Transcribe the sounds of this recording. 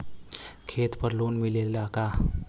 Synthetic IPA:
kʰet̪pəɾlunmilellaka

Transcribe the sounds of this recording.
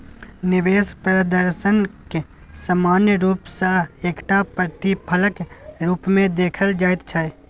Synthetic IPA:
nɪʋeːspɾəd̪əɾʃənke | samaːnjəɾuːpsaeːkʈapɾət̪ipʰələkɾuːpmẽd̪eːkʰəld͡ʒaːɪt̪t͡ʃʰa

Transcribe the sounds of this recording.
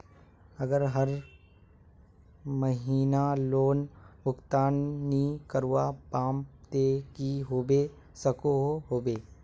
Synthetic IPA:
ɐɡəɾɦɐɾ | məɦiːnaloːnbʊkt̪aːnnikəɾwapãːmpt̪ekiɦoːbe | sɐkoɦoɦoːbeː

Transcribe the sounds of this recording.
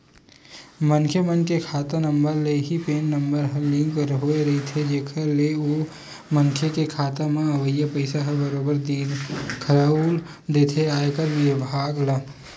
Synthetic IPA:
mɐnkʰemənkekʰaːt̪anɐ̃mbəɾleɦipeːnːɐ̃mbəɾɦlɪ̃ŋɡɾɦoːeɾɐɦit̪ʰed͡ʒeːkʰəleo | mɐnkʰekekʰaːt̪amẽɐʋəjːəpəɪsaɦɛbɐɾoːbəɾd̪iːnkʰɐɾaːul | d̪eːt̪ʰeaːekɐɾʋɪbɦaːɡlaː

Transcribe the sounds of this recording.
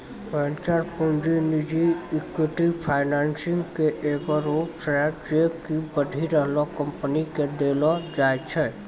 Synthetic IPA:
bɛːnt͡ʃaɾpũɳɖɾinid͡ʒikwɪʈipʰaːɪnaːnsɪ̃ŋɡkeʔeːɡɔɾoːpsɛd͡ʒekibəɖʱiɾəɦlokə̃mpəniked̪eːlod͡ʒaːjt͡ʃʰɛː

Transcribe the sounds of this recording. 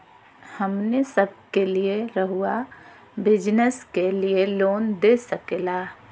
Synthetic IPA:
həmnesəb̚ʱkelieɾəɦʊa | bɪd͡ʒnəskelieloːnd̪esəkelaː

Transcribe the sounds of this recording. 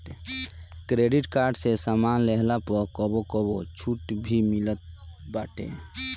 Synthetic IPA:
ekɾeɖiʈkaɾɖsesamanleɦlapəɾkɔbokɔbot͡ʃʰuʈbʱimilət̪̚baːʈḛ

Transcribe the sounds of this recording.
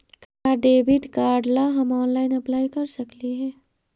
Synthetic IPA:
k | aɖeːbɪʈkaːɾɖlaɦɐmɔːnlaːɪnɐplaːikɐɾsɐkliɦɛː

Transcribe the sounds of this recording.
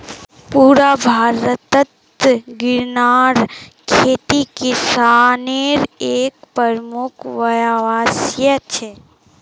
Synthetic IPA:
puːɾabʱaːɾət̪ət̪ | ɡɪɾnaːɾkʰeːt̪ikesaːneɾeːkpəɾmʊkʰʋɐjaʋaːsjət͡ʃʰe

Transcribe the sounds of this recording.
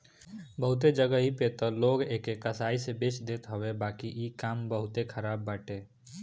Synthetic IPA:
bəɦʊt̪̬ed͡ʒəɡəɦipeːt̪əloːɡeːkekəsaːisebeːt͡ʃd̪eːt̪ɦəwebaːkijekaːmbəɦʊt̪ekʰəɾaːbːaːʈeː

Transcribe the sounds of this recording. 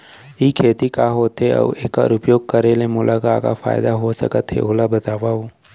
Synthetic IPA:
ikʰeːt̪ikaɦoːt̪eə̰ḛka̰ɾʊpjoːɡ̚kəɾelemʊlʔakaka̰fa̰ːjd̪aɦosɐ̰kət̪ɦḛolabət̪aːʋauː

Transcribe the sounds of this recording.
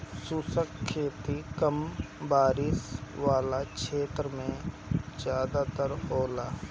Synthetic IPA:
susəkkʰːeːt̪ikəm | baːɾɪsʋaːlakʃʰeːt̪ɾəmẽ | d͡ʒjaːd̪at̪əɾoːlaː

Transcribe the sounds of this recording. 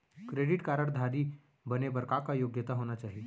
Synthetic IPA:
kɾeɽiʈkaɾəɽd̪ʱaɾiː | bənebəɾkakajoɡjət̪aɦoñat͡ɕaɦi

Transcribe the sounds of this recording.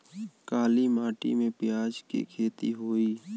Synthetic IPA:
kaːlimaːʈḭmẽpɪjaːd͡ʒkḭkʰeːt̪iɦoːiː

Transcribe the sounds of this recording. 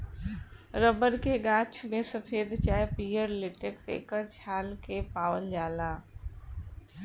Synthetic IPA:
ɾəbəɾkeɡaːt͡ʃʰmẽsəfʰeːd̪t͡ʃaːepiːjəɾlɪʈeksḛːkəɾt͡ʃʰaːlkepaːwəld͡ʒaːlaː

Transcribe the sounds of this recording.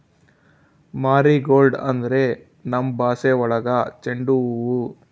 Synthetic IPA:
maːɾiɡoːlɖɐnd̪ɐɾe | nɐmbaːseːʋɔɭɐɡɐt͡ʃeɳɖuʋu

